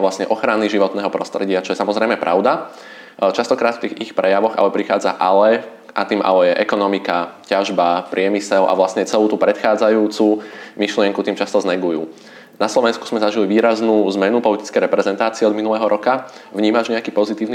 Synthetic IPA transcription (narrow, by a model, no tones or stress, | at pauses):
ʋlasɲɛʔɔxɾaniʒiʋɔt̪nɛːɦɔpɾɔst̪ɾɛɟɪat͡ʃɔjɛsamɔzɾɛjmɛpɾʔa̰ʊd̪a | t͡ʃast̪ɔkɾaːt̪ft̪iːɣixpɾɛjaʋɔɣa̰lɛpɾixaːd͡za̰ʔalɛ | ʔat̪iːmʔa̰lɛjɛʔɛkɔnɔmikacaʒbapɾɪɛmisɛlʔa̰ʋlasɲɛt͡sɛluːt̪upɾɛt̪xaːd͡zajuːt͡sumiʃlɪɛŋkut̪iːmt͡ʃast̪ɔznɛɡujṵː | naslɔʋɛnsku̥z̥mɛzaʒiliʋiːɾaznuːzmɛnupɔlit̪i̥t͡skɛjɾɛpɾɛzɛnt̪aːt͡siɛɔd̪minulɛːɦɔɾɔka | ʋɲiːmaʒɲɛakiːpɔzit̪iːʊni